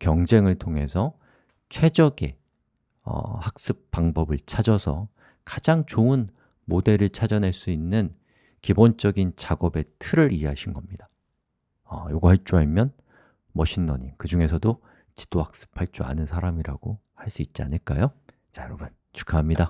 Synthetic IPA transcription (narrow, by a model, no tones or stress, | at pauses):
kjʌŋd͡ʑe̞ŋɯɭtʰoŋe̞sʰʌ | t͡ɕʰwe̞d͡ʑʌɡḛ | ʌ̰hak̚s͈ɯp̚p͈aŋbʌbɯɭt͡ɕʰad͡ʑʌsʰʌ̰ | kad͡ʑaŋt͡ɕoɯn | mode̞ɾɯɭt͡ɕʰad͡ʑʌnɦaɭs͈uinːɯn | kibont͡ɕ͈ʌɡint͡ɕaɡʌbe̞tʰɯɾɯɾieɦaɕʰinɡʌmɲida | ʌjoɡoaɭt͡ɕ͈uaɭmjʌn | mʌɕʰinːʌɲikɯd͡ʑuŋe̞sʰʌdo | t͡ɕi̥d͈ohak̚s͈ɯ̥pʰaɭt͡ɕ͈ua̰nɯnsʰaɾamiɾaɡ̥o | haɭs͈uit̚t͡ɕ͈ia̰nɯɭk͈ajo | t͡ɕajʌɾʌbɯn | t͡ɕu̥kʰaɦamɲida